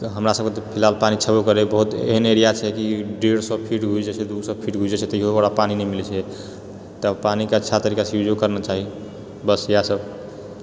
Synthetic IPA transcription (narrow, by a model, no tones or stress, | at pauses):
ɦəmɾasəbket̪ɔpʰilalpanit͡ʃʰəbokəɾɛbəɦut̪ḛɦəneɾijat͡ʃʰɛkiɖeɽsəpʰiʈɡʱud͡ʒɛt͡ʃʰɛd̪uɡsəbpʰiʈɡʱud͡ʒd͡ʒet͡ʃʰɛt̪ɔiɦobaɽapaninɛmilt͡ʃʰɛ | t̪əpanikeətːʃʰat̪əɾikasjud͡ʒokəɾnat͡ʃaɦi | bəsijasəb